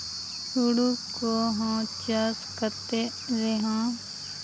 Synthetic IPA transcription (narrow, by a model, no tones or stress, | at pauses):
suɽukoɦãːt͡ʃaskət̪e | ɾeɦãː